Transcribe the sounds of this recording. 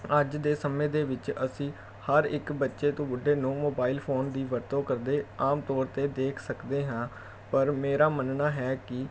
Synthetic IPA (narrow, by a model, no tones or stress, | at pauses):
əd͡ʒd̪eːsəmẽːd̪eːʋɪt͡ʃəsĩː | həɾɪ̰kbətːʃeːt̪õːbʊɖeːnoːmoːbaːɪlpʰoːnd̪iːʋəɾt̪õːkəɾd̪eːaːmt̪ɔːɾt̪eːd̪eːkʰsəkd̪eːɦãː | pəɾmeːɾaːmənnaːɦɛːkɪ